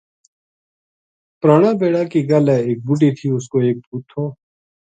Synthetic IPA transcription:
pɾaːɽãːbeːɽaːkiːɡəlɛːeːk̚bʊʈiːt̪ʰiːʊskoːeːk̚puːt̪ʰːoː

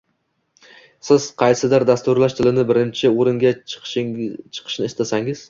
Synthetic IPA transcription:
sɪz̥qʰɑjsɪd̪ɪɾd̪ast̪ʊɾlaʃt̪ʰɪlɪnɪbɪɾɪnt͡ʃʰɪoɾɪŋɡʲa | t͡ʃʰɨ̥qʰɨ̥ʃnɪɪst̪ʰasaŋɪz̥

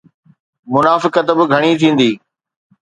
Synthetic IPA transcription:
mʊnaːfɪkət̪bɪɡʱɐɽ̃it̪ʰĩːn̆d̪iː

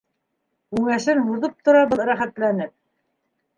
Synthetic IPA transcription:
kʉŋæʃɘnhuðɤp̚t̪ŏɾɑbɤðɾæχæt̪lænɘp̚

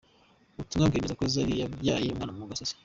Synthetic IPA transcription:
utumŋaɡemezakozaɾijajajimŋa̰ːamuuɡasosi̥

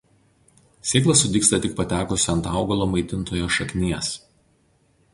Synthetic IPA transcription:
sʲeːklˠɐsʊd̪ʲiːkst̪ɐt̪ʲɪk̚pɐt̪ʲæːkʊsʲɐnt̪ɑˑʊɡɐlˠoːmɐɪt̪ʲɪnt̪oːjoːʃɐkʲnʲiɛs

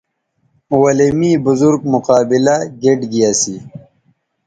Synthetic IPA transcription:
wɐlemibʊzuɾɡmʊqaːbilaɡeɖɡijasi

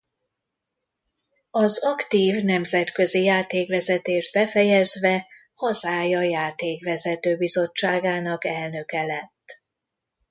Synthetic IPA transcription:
ɒzɒkt̪iːvnɛmzɛt̪kø̞zijaːt̪eːkvɛzɛt̪eːʒd̪̚bɛfɛjɛzʋɛ | hɒzaːjɒjaːt̪eːkʋɛzɛt̪øːbizo̞t͡ʃːaːɡaːnɒkɛlnø̞kɛlɛt̪ː

